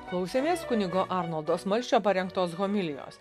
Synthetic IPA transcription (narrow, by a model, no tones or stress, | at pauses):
klˠɒʊsʲeːmʲeːskʊnʲɪɡoːʔɑɾnɔlˠd̪oːsmɐlʲsʲt͡ʃʲoːpɐɾʲɛŋkt̪oːsɣɔmʲɪlʲɪjo̰ːs